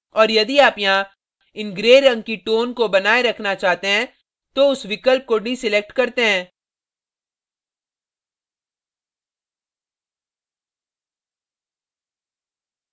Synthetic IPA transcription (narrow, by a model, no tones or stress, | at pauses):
ɔːɾjɐd̪iaːpjɐɦã | ɪnɡɾeːɾːɐ̃ŋɡ̚kiʈoːnkobɐnaːeɾɐkʰnat͡ʃaːɦt̪eɦɛ̃ | t̪oʊsʋɪkəlp̚koɖisɪlek̚ʈkɐɾt̪eɦɛ̃ː